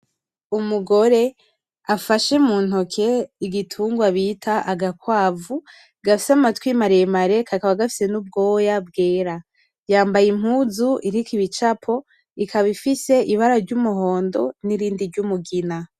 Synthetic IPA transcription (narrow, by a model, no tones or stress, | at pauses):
umuɡo̞ɾe̞ | afaʃemuːn̥hokʰe̞iɡitʰuːŋɡwaβiːtʰaʔaɡakwaːvu | ɡafi̥samatwiːmaɾejemaɾe̞kʰakaβaɡafi̥se̞nub̚ɡo̞ːjabɡe̞ːɾa | jaːmbajim̥huːzuʔiɾikiβit͡ʃapʰo̞ | ikaβifise̞ʔiβaɾaɾɟumuɦo̞ːndo̞̰niɾiːndiɾɟumuɡina